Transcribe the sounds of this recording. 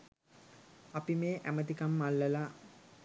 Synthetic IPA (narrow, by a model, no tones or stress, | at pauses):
apimeːʔæmət̪ikamːalːəla